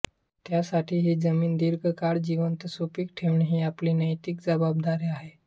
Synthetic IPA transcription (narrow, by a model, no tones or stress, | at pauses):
t̪jasaʈʰiːɦiːd͡zəmiːnd̪iɾɡʱəkaɽd͡ʑiʋənt̪supiːk̚ʈʰeʋɳiɦiːapliːnəjt̪iːkd͡zəbab̚d̪aɾiːaɦe